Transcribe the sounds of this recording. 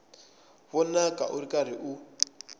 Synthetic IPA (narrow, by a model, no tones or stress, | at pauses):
βɔnakʼa̰ʔuɾikʼaɾiʔu